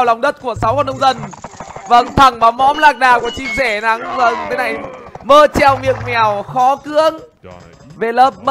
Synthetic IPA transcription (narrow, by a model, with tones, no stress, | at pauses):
wla˨˩wŋ͡mɗə˦˥t̚ku˧˩əsa˨˦wkɔ˧˩nːə˧wŋ͡mzə˧nvə̰˧˩ŋt̪ʰa˧˩ŋɓaː˨˦wmɔ˨˦mlaː˧˩k̚ɗaː˨˩ku˧˩ət͡ɕi˧nzɛ˧˩na˨˦ŋvə˧ŋt̪ʰe˨˦na˨˩jməː˧t͡ɕɛ˧˩wmḭ˨ək̚mɛ˨˩əwxɔ˨˦kɨ˨˧˥əŋ | ve˨˩ləː˨˩p̚mə